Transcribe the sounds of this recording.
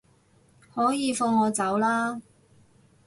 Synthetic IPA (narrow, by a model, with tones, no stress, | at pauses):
hɔː˨˥jiː˨˧fʊ˧ŋːɔː˨˧t͡sɐ˨˥wlaː˥